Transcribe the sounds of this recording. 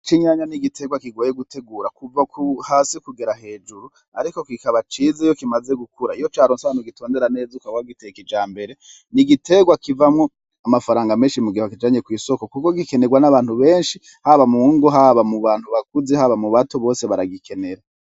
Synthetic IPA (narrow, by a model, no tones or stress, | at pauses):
t͡ʃiɲaːɲaniɡitʰe̞ɡwakiɡoːjeɡute̞ɡuːɾakuvakuhaːsikuɡeɾaɦe̞ːd͡ʒuɾu | a̰ɾiko̞kikaβat͡ʃizejo̞kimaze̞ɡukuɾaijo̞t͡ʃaːɾonsaβaːnuɡito̞ːnde̞ɾane̞ːzukawaɡitekid͡ʒaːmbe̞ɾe̞ | niɡitʰe̞ɡwakivamŋo̞ | amafaɾaːŋɡame̞ːnʃimuɡihoakid͡ʒaːɲe̞kwiːso̞ko̞kuko̞ɡike̞neɡwanaβaːnhuβe̞ːnʃi | haβamuŋɡoɦaβamuβaːn̥huβakuzeɦaβamuβatoβo̞ːse̞βaɾaɡikʰe̞ne̞ɾa